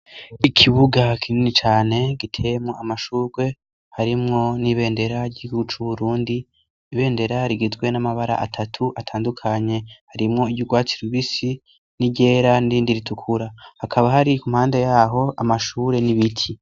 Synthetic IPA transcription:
ikʰiβuɡakʰininit͡ʃaːne̞ɡitʰe̞mŋoamaʃuːɾɡwe̞ | haɾimŋo̞niβe̞ːnde̞ɾaɾɟihut͡ʃuβuɾuːndiː | βe̞ːnde̞ɾaɾiɡizɡwe̞namaβaɾa̰ʔa̰tʰatʰuʔatʰaːndukʰaɲe̞haɾimŋo̞iɟuɡwaːt͡siɾuβisi | niɟe̞ːɾaniɾiːndiɾitukʰuɾahakʰaβaɦaɾikumhaːnde̞jaːɦo̞ʔamaʃuːɾe̞niβitʰi

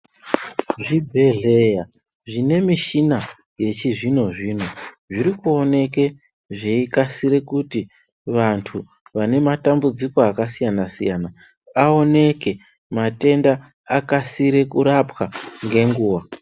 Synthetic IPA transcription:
ʐibʱe̞ɮe̞ja | ʐine̞miʃina | je̞t͡ʃiʐino̞ʐiːno | ʐiɾikuo̞ne̞ke̞ | ʐe̞ikasiɾe̞kuti | ʋantʰu | ʋane̞matambud͡ziko̞akasijanasijana | ao̞ne̞ke̞ | mate̞ndaː | kasiɾe̞kuɾapwaŋɡe̞ŋɡuːwa

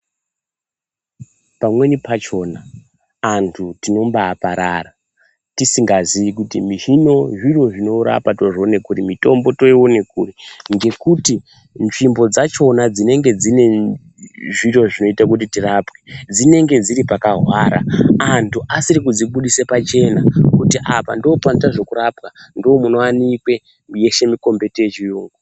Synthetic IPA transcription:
pamwe̞nipat͡ʃo̞naː | ntʰutino̞mbaːpaɾara | tisiŋɡaziik̬utimiɦino̞ʐiro̞ʐino̞ɾa̰patoʐone̞kurimito̞mbo̞to̞io̞ne̞kuːriŋɡe̞kuti | nʐimbo̞d͡zat͡ʃo̞nad͡zine̞ŋɡe̞d͡zine | ʐiro̞ʐino̞itak̬ut̬itirapwed͡zine̞ŋɡe̞d͡ziɾipakaɦwaːɾa̰antuʔasiɾikud͡ziɓuɗisepat͡ʃe̞nakutiʔapandopanitaʐo̞kuɾapwandoomuno̞wanikwe̞ | je̞ʃe̞miko̞mbe̞tejet͡ʃiruːŋɡu

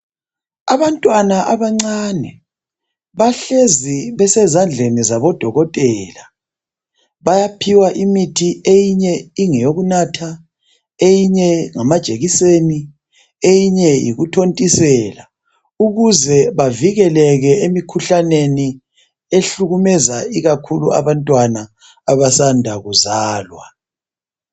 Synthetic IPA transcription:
aβantʼwanaʔaβaŋ͡ǀaːnɛ | βaɬeziβɛsɛzand͡ɮʱenizaβɔd̥ʱɔɣɔtʼɛːla | βajapʰiwaʔimitʰiejiɲɛiŋɛjoɣunatʰa | ejiɲɛŋamad̥ʒ̥ʱeɣiseni | ejiɲɛjḭɣutʰontʼisɛːla | uɣuzɛβaviɣɛlɛɣɛemikʰuɬaneni | eɬuɣumɛzaiɣakʰulua̰βantʼwanaː | βasandʱaɣuzaːlwa̰

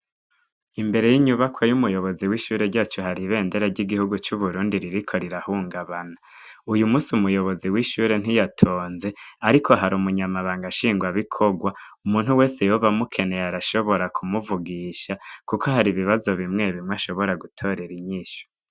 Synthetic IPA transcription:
imbe̞ɾe̞jiɲuβakʰojumujo̞βo̞ziwiʃuːɾe̞ɾɟaːt͡ʃuhaɾiβe̞ːnde̞ɾaɟiɡihuɡut͡ʃuβuɾuːndiɾiɾikʰo̞ɾiɾahuːŋɡaβana | ujumuːsiumujo̞βo̞ziwiʃuːɾe̞n̥ijatʰo̞ːnze̞aɾikʰo̞ɦaɾumuɲamaβaːŋɡaʃiːŋɡwaβikʰo̞ɡwaumuːn̥huwe̞ːse̞joβamukʰe̞nejaɾaʃo̞βo̞ɾakʰumuvuɡiːʃakukʰo̞haɾiβiβazo̞βimŋeβimŋaʃo̞βo̞ɾaɡutʰo̞ɾeɾiɲiːʃo̥

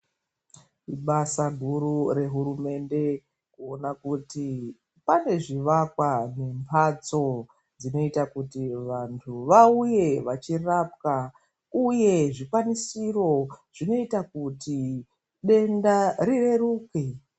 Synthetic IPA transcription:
iɓasaɡʱuruɾe̞ɦuɾume̞nde̞ | kuonakuti | pane̞ʐiʋakwane̞mpʰat͡so̞ | d͡zino̞itakutiʋantʰuʋauje̞ʋat͡ʃirap̚ka | uje̞ʐikwanisiro̞ʐ̥ino̞itakuti | ɗe̞ndaɾire̞ruːkwe̞

